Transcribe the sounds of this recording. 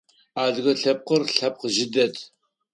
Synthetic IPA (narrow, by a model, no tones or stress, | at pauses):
aːdɣɐɬɐp̚qərɬɐp̚qəʒɪdɐtʰ